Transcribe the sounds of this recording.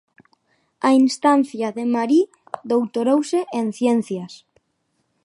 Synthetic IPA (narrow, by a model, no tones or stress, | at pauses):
ainst̪an̟θjaðemaɾi | ðowt̪oɾowseʔen̟θjen̟θjas